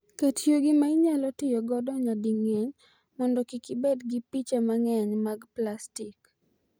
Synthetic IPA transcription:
ketjoɡɪmaɪɲalɔtɪjɔɡɔdɔɲadiŋɛɲ | mɔndɔkikibɛdɡipit͡ʃamaŋɛɲmaɡplastik

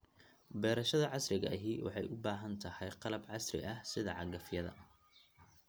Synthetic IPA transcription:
bɛːɾɐʃɐðɐʕɑsrɪɣɐɦiːwɑ̰ħɑjʔʊbaːɦɐnt̪ʰɐhɛjqɑlɐbʕɑsrɪ̰ʔɐhsɪðɐʕɑɡɐfjɐðɐ̰

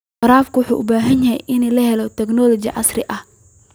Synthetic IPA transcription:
qɑɾaːfkʰʊwʊħuːʔʊbaːɦɐnjɐɦɛ̰jʔɪnɛlɐhɛlɔt̪ʰɛɡnɔlɔt͡ʃɪ̰ʕɑ̰srɪʔɐh

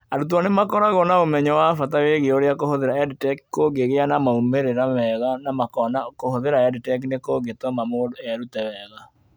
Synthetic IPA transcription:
aɾut̬wɔnemakɔɾaɣɔnaomɛɲɔwafataweɣeoɾeakohoðeɾaɛditɛki̥koɡeɣeanamaumeɾeɾamɛɣanamakɔnakohoðeɾaɛditɛk̬inekoɡetomamodɛɾutɛwɛːɣa

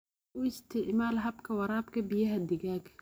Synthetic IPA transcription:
ʔʊɪst̪ʰɪʕmaːlɦɐbkʰɐwɑɾaːbkʰɐbɪjɐɦɐd̪ɪɣaːɡ

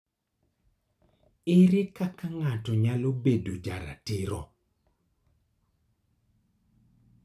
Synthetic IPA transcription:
ɪɾɪkakaŋatɔɲalobedod͡ʒaɾa̰tɪɾɔ̰

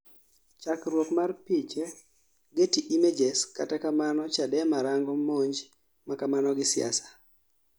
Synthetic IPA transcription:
t͡ʃakɾwokmarpit͡ʃe | ɡetiʔimed͡ʒeska̰takamanɔt͡ʃadɛmaɾaŋɡɔmoɲd͡ʒ | makamanɔɡɪsɪja̰sḁ

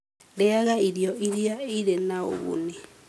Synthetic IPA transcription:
lɛaɣaiɾjɔiɾijaiɾenao̰ɣṵni

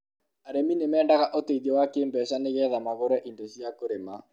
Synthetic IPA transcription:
aɾeminemɛːndaɣaʔoteiðiɔwakeːmbɛʃaneɣɛðamaɣoɾɛʔindosiakoɾema

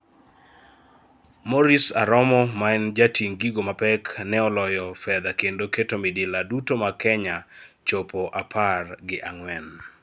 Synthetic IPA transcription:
mɔɾisaɾɔmɔmaɛnd͡ʒatiŋɡiɡomapɛknɛɔlɔjɔfɛd̪akendoketomidɪladutomakɛɲat͡ʃopoʔapʰarɡɪʔaŋwɛn

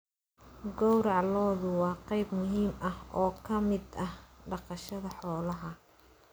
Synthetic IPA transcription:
ɡɔwɾɑʕlɔːðʊwɑːqɑjbmʊɦiːmɐhɔːkʰɐmɪd̪ɐhɖɑqɑʃɐðɐħɔːlɐɦɐ

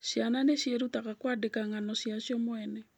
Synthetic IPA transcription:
ʃjananeʃjeɾutakakwadekaŋanɔʃjaʃjɔmwɛnɛ

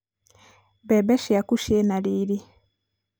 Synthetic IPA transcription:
bebeʃiakuʃjenaliːɾi

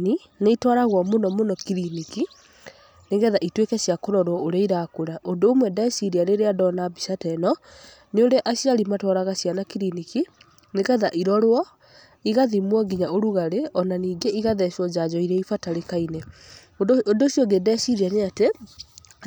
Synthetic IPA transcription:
ni | neitwɔɾaɣwɔmonɔmonɔkiɾiniki | neɣɛðaʔitwekɛɕjakoɾɔɾwɔoɾɛiɾakoɾaʔondoːmwɛdasiɾiaɾeɾeadɔnabisatɛnɔ | neoɾeʔaɕiɾalimatwɔɾaɣasjanakiɾiniki | neɣɛðaʔiɾɔɾwɔ | iɣaðimwɔɡiɲaoɾuɣaɾeʔɔnaniːɡeiɣaðɛʃɔd͡ʑad͡ʑɔiɾɛifataɾekaine | odoʃjoŋɡedɛsiɾianeate

